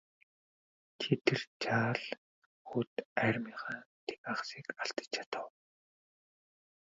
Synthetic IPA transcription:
t͡ɕʰit̪ĕrt͡ɕʰaːɮ | xut̪æːrmiɴχaːnt̪ʰe̥kaχsiːkaɬt̪ə̥̆t͡ɕt͡ɕʰḁt̪ə̆w

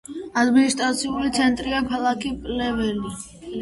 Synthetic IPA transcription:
ad̪minist̪ʼɾat̪sʰiulit̪sʰɛnt̪ʼɾiakʰalˠakʰipʼlɛvɛli

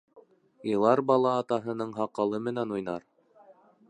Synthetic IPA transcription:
ilˠɑɾbɑlˠɑːt̪ɑɦɤ̆nɤɴɦɑqɑlˠɤmɘ̆nænujnɑɾ

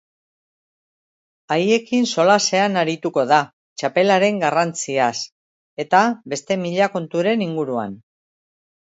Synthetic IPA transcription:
aje̞kinso̞lase̞anaɾit̪uko̞ða | t͡ʃape̞laɾe̞ŋɡarant͡sias | e̞t̪aβe̞st̪e̞miʎako̞nt̪uɾe̞niŋɡuɾua̰n

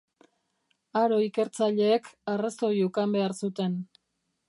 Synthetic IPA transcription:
aɾo̞ike̞ɾt͡saʎe̞ːkarast̪o̞jukambe̞aɾsut̪e̞n

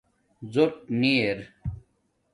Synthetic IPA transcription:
zoɾk̚nieɾ

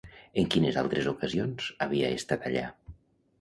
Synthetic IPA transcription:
eŋkineza̰lˠt̪ɾezukəzionz̥əβ̞iaest̪at̪aʎa̰

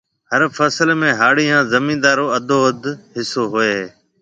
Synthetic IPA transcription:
ɦəɾfʰəsəlmẽːɦaːɽiːãːzəmĩːd̪aːɾoːəd̪oːəd̪ɦɪsoːɦʊeː

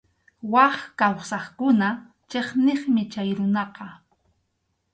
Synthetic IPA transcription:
wɑχkawsɑχkʊna | t͡ʃeχnɪχmɪt͡ʃajɾʊnɑqɑ

